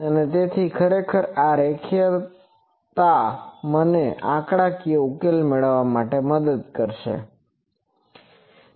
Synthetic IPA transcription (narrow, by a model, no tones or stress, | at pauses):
ənet̪et̪ʰikʰəɾekʰəɾaɾekʰjə | t̪aməneʔãkɽakiukelmeɭəʋːamaʈeməd̪əd̪̚kəɾʃḛ